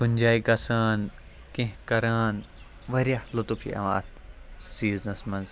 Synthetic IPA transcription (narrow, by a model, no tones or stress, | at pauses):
kunʲd͡ʒaːiɡɐsaːn | kẽɦkɐɾaːn | ʋɐɾijahlot̪upʰḭɐ̰ʋa̰ːt̪siːznɐsmɐnz